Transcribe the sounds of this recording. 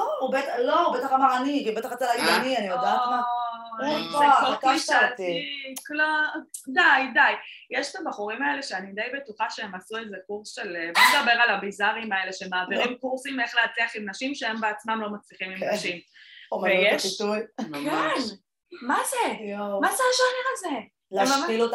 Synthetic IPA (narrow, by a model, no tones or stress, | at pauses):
oubet̪loubet̪aχamaʁanikibet̪aχat͡salaianianijod̪aama | olkiʃaltiklodajdajjeʃe̥t̪abaχuʁimae̞le̞ʃeanid̪ejbe̞tuχaʃeemasuezekuʁsʃelebod̪abe̞ʁalabizaʁimae̞leʃemaːviʁimkuʁsime̞χleat͡sliaχimnaʃimʃehembeat͡smamlo̞mat͡sliχimimnaʃimvejeʃitujkeʃn | mazeomazeʃoneʁaze | lmaailot̪